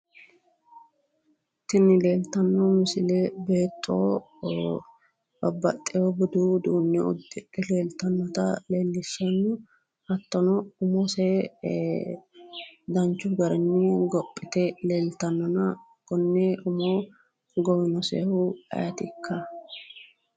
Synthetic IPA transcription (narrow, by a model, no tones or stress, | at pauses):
t̪ɪnːɪleːlt̪ɐnːɔmɪsɪlɛbe̞ːt̪ʼːoː | bɐbːɐ̰t̪ʼːɛjobɔd̪uːd̪uːnːɛʊ̰d̪ːɪᶑɛle̞ːlt̪ɐnːɔt̪ɐle̞ːlːɪsɔnːʊ | hɐt̪ːɔnɔʊmose | d̪ɐnt͡ʃːʊɡɐɾɛnːɪɡɔpʼːɪt̪ɛle̞ːlt̪ɐnːɔnɐ | kɔnːɛʔʊmoː | ɡɔwɪnɔsḛːhuɐ̰jɐt̪ɪkʰːɐ